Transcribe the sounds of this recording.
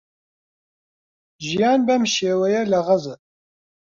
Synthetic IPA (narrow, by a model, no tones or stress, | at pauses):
ʒijaːnbɐmʃeːwɛjɛlɐʁɐzə